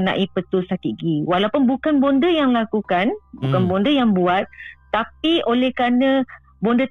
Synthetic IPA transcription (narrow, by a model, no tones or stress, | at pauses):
əna̰ʔipət̪ust̪at̪iɡiwalawpʊnbukanbondəjaŋlakukanbukanbondəjaŋbuat̪̚t̪apiʔolɛhkanə̃ | bondə